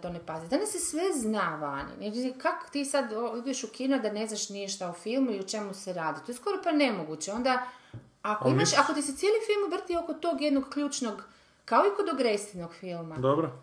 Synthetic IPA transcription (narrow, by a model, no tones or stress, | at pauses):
t̪o̞nepazid̪anasːesʋe̞znaʋanḭekako̥t̪iːsad̪oid̪eʃukinod̪ane̞znaʃnieʃt̪aufilˠmuiot͡ʃe̞museɾaːd̪it̪oesko̞ɾo̞pane̞moɡut͡ɕeo̞nd̪a | akoimaʃako̞t̪iset̪sijeːlifilˠmʋr̩t̪io̞kot̪o̞ɡjed̪noɡkʎuːt͡ʃnoɡ | kaoikod̪oɡɾest̪inoɡfilˠmad̪obɾo